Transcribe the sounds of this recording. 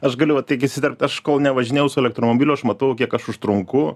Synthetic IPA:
ɐʃɡɐlʲʊʋɐt̪ʲiɪkɪsʲɪt̪ʲɛɾʲp̚ʲt̪ʲɐʃkoːlˠnʲɛʋɐʒʲɪnʲeːjɛʊsʊɛlʲɛkt̪ɾoːmoːbʲiːlʲʊɐʃmɐt̪ɐʊʊkʲiɛkɐʃʊʃt̪ɾʊŋkʊ

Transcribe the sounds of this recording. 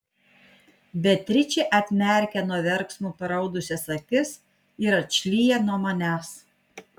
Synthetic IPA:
bʲɛt̪ʲɾʲɪt͡ʃʲeʔɐt̪ʲmʲɛˑɾʲkʲɛnuɔʋʲɛɾksmuːpʲɐɾɐʊd̪ʊsʲɛsɐk̪ʲɪs | ɪɾɐt͡ʃʲlʲiːjɛnuɔmɐnʲæːs

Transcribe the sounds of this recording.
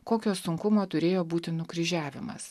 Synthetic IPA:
koːkʲoːsʊŋkʊmoːt̪ʊɾʲeːjoːbuːt̪ʲɪnʊkɾʲɪʒʲæːʋʲɪ̰mɐ̰s

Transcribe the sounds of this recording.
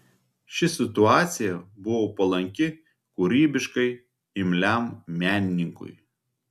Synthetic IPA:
ʃʲɪsʲɪt̪ʊɑːt̪sʲɪjɛbʊʋoːpɐlˠɐŋʲkʲɪ | kʊɾʲiːbʲɪʃkɐɪ | ɪmʲlʲæmmʲæːnʲɪnʲɪŋkʊ̰j

